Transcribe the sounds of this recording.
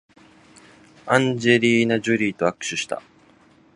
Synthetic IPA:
ãɲd͡ʑe̞ɾʲiːnad͡ʑɨɾʲiːt̪o̞akɯ̟̥ɕɨɕi̥t̪a̰

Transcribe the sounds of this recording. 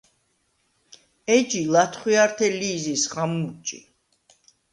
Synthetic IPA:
ɛd͡ʒilat̪ʰχwiaɾt̪ʰɛliːzisχamut͡ʃʼḭ

